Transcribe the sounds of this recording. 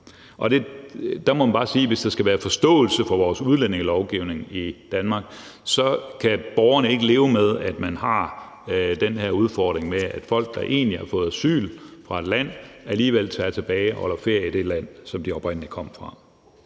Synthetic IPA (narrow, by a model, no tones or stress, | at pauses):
ʔɒ̽d̥e̝d̥ɑ̈mɒmænb̥ɑ̈ːsiːʋe̝sd̥ɑ̈sɡ̥æʋæːɐfɒ̽sd̥ɔ̰̽ːl̩səfɒ̽ʋɒːsuð̞ˠlen̰e̝ŋəlɒʊɡ̥iʊ̰ne̝ŋid̥ænmɑ̈ːɡ̥ | sɒ̽kʰæb̥ɒʊɐnəe̝ɡ̥əle̝ːʊəmeð̞ˠæd̥mænɦɑ̈ | d̥enɦeɐ̰uð̞ˠfɒd̥ʁeŋmeæd̥fɒ̽l̰ɡ̥̚d̥ɑ̈ʔe̝̰ːnlihæɐfɔ̽ːð̩ˠæsy̰ːlfʁɑ̈e̝d̥læn̰æliːʋel̰t͡sʰɛːt͡sʰe̝b̥ɛːɪʔɒlɐfe̝ɐ̰əid̥e̝læn̰sɒ̽md̥iɒb̥ʁɛnnikʰɒ̽m̰fʁɑ̈